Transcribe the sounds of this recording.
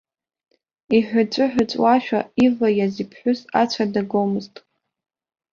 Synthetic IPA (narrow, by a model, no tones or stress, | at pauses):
iħʷᶣat͡ʃʷʼʊħᶣʷʊt͡sʷʼwaʃᶣa̰ivajazipʰħʷᶣʊsat͡ɕʷʰadaɡomɨztʼ